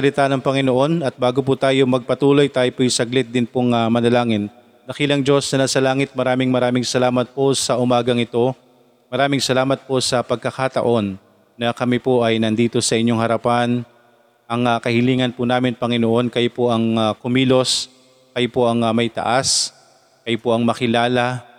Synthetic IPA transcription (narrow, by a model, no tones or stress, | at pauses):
sɐlɪt̪anɐŋpɐŋɪnoʔo̞nɐt̪̚baːɡopʊt̪aːjo̞mɐɡ̚pɐt̪uːlo̞jt̪aːjopojsɐɡlɪt̪̚d̪ɪnpoŋamɐnɐlaːŋɪnː | ɐkiːlɐŋd͡ʒo̞snɐnaːsɐlaːŋɪt̪̚mɐɾaːmɪŋmɐɾaːmɪŋsɐlaːmɐt̪̚po̞sɐʔʊmaːɡɐŋɪt̪o̞ | mɐɾaːmɪŋsɐlaːmɐt̪̚po̞sɐpɐɡ̚kɐkaːt̪ɐ̰ʔo̞nː | ɐkɐmɪpoʔɐjnɐnd̪iːt̪o̞sɐʔɪɲo̞ŋhɐɾɐpan | ʔɐŋɐkɐhɪliːŋɐnpʊnaːmɪnpɐŋɪnoʔo̞nkɐjopoʔɐŋakʊmiːlo̞s | kɐjopo̞ʔɐŋɐmɐjt̪ɐ̰ʔas | kɐjopoʔɐŋmɐkɪlaːlɐ